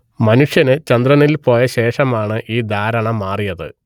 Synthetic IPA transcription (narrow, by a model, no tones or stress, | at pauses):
mɐnuʂjɐnɨt͡ɕɐnd̪rɐnilpo̞ːjɐɕe̞ːʂɐmaːɳɨʔiːd̪ʱaːɾɐɳɐmːaːrijɐðɨ̰